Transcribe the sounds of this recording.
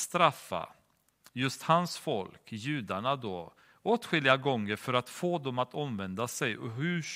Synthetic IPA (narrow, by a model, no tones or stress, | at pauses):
st̪ɾafːa̰ | jɵst̪hansfɔlkjʉ̟ːd̪aɳad̪oː | oːt̪ɧʏlɪaɡɔŋːəɾfœɾat̪foːd̪ɔmat̪ʰɔmvɛnd̪asɛjɔɦɵ